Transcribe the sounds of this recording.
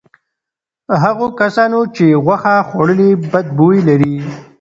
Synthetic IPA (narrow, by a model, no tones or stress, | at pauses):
ɦaɣokasɑnot͡ʃeɣwaxaxwaɽəlibad̪̚boilaɾi